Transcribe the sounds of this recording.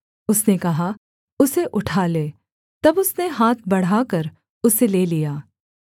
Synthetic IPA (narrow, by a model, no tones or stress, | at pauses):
ʊsnekɐɦa | ʊseʔʊʈʰaːleː | t̪ɐbʊsneɦaːt̪̚ʰbɐɽ̤aːkɐɾ | ʊseleːlijaː